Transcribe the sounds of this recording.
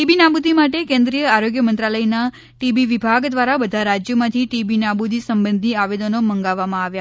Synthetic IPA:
ʈibinabud̪ʱimaʈekẽnd̪ɾijəaɾoɡjəmənt̪ɾaləjna | ʈibiʋibʱaɡd̪ʋaɾabəd̪ʱaɾad͡ʒjəmãt̪ʰiʈibinabud̪ʱisəmbənd̪ʱiaʋed̪onoməŋɡaʋːamãaʋja

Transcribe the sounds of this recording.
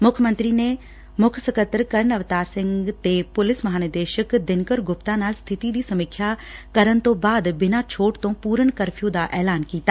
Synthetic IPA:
mʊkʰmə̃nt̪ɾiːneː | mʊkʰsəkət̪ːɾkəɾnəʋt̪aːɾsɪ̃ŋɡt̪eːpʊlɪsməɦaːnəd̪eːʃəkd̪ɪnkəɾɡʊpt̪ãːnaːlst̪ʰɪt̪iːd̪iːsəmɪkʰːjaːkəɾənt̪õːbaːd̪bɪnaːt͡ʃʰoːʈt̪õːpuːɾənkəɾpʰijõːd̪aːʔɛːlaːnkiːt̪aː

